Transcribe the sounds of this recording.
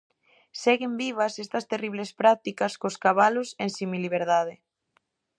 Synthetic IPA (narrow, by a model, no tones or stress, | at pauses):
sɛɣembiβ̞ɐsest̪ɐst̪eriβ̞lespɾat̪ikɐskoskaβalosensimiliβ̞eɾðað̞e